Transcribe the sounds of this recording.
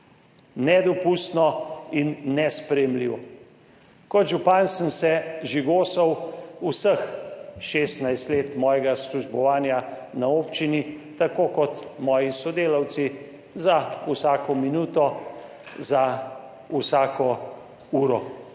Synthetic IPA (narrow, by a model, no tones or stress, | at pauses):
nɛd̪ɔpust̪nɔinːɛspɾɛjɛmliːʋɔ | kɔd̪ʒupansənsɛʒiɡoːsɔwusəxʃeːst̪najst̪leːt̪mɔːjɛɡasluʒbɔʋaːnjanaoːpt͡ʃinit̪akoːkɔt̪mɔːjisɔd̪eːlawt̪si | zausaːkɔminuːt̪ɔ | za | usaːkɔ | uːɾɔ